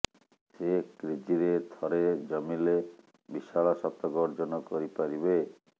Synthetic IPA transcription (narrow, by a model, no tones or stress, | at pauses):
sekɾid͡ʒiɾed̪ʱɔɾed͡ʒɔmile | biʃalɔʃɔt̪ɔɡɔɾd͡ʒɔnɔkoɾipaɾibe